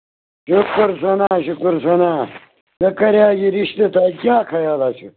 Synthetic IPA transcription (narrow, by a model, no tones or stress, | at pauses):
ɕukuɾsɐnaːɕukuɾsɐnaː | nɐkɐɾjaːɡiɾiɕt̪et̪aːkaːkʰɐjaːlaːt͡ɕʰṵ